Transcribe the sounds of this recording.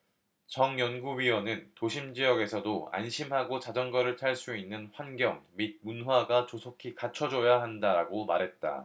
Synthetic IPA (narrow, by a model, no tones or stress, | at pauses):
t͡ɕʌŋjʌnɡuɥiwʌnɯntoɕʰimd͡ʑijʌɡe̞sʰʌdoa̰nɕʰimɦaɡot͡ɕad͡ʑʌŋɡʌɾɯɭtʰaɭs͈uinːɯnɸwanɡjʌŋmid̚munɦwaɡat͡ɕosʰokʰikat͡ɕʰʌd͡ʑʌjaɦandaɾaɡomaɾɦe̞t̚t͈a̰